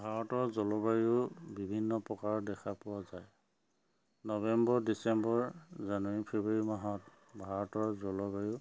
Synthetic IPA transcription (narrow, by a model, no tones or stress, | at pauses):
bʱaɹɔtɔɹzɔlɔbaɹiʊbibʱinːɔpɔkaɹdɛkʰapʊwazaj | nɔbɛmbɔɹdisɛmbɔɹzanwaɹipʰebɔɹimaɦɔt | bʱaɹɔtɔɹzɔlɔbaɹu